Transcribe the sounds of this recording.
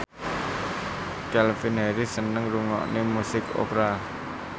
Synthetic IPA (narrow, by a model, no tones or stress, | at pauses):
kalfinɛɾisənəŋɾuŋɔ̰ʔnemusɪko̰pɾa